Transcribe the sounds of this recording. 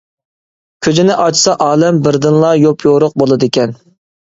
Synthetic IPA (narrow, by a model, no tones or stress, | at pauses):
kʲʰød͡ʒ̪ɪnɪʔɑt͡ʃʰsɑʔɑːlɛmbɪɾd̪ɨnlˠɑjopʰjoɾʊq̚bolˠɨd̪ɪkʲɛn